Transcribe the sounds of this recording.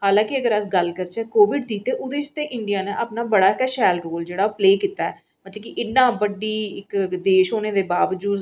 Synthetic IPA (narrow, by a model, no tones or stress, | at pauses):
haːlãːkiəɡəɾəsɡəlkəɾt͡ʃɛːkoːʋɪɖd̪iːt̪eːʔʊd̪et͡ʃt̪eːʔɪɳɖijaːnẽʔaːpnaːbəɽaːkəʃɛːlɾoːld͡ʒeːɽaːoːpleːkiːt̪aːɛ | mət̪ləbkiʔɪnːãːbəɖiːɪkd̪eːʃɦoːneːd̪eːbaːʋəd͡ʒuːd̪